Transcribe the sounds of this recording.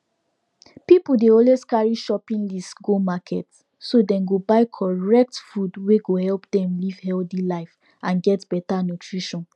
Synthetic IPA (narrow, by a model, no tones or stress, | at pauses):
pipudeɔlweskaɹiʃɔpĩnlistɡomakʰɛt | sodɛ̃mɡobaɪkʰɔɹɛk̚tfudweɡohɛlpdɛ̃mliv̥hɛldilaɪf | ãnɡɛtb̥ɛtanutʰɹiʃɔ̃n